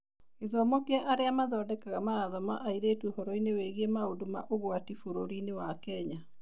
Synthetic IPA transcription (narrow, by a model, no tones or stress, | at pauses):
iðɔmɔkeaʔaɾeamaðɔdɛkaɣamaːðɔmaʔaiɾeːtwohɔɾɔineweɣemaodoma̰ʔoɣwatifoɾoɾinewakɛɲa